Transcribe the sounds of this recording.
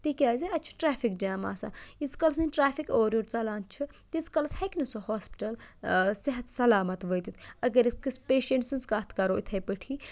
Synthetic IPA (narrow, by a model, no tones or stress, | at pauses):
t̪ikʲaːzeɐt͡ʃʰu̥ʈɾaːpʰikd͡ʒaːmaːsa̰it͡sʰkɐls̬inʲʈɾaːpʰikoːɾjoːɾt͡sɐlaːnt͡ʃʰut̪it͡sʰkɐlshɐkinusoɦoːspi̥ʈɐlsiɦɐt̪sɐlaːmɐt̪ʋəjt̪it̪ʰɐɡɐɾiskispeːʃeɳʈsinskaːt̪ʰkɐɾoːʔit̪ʰɐjpəʈʰi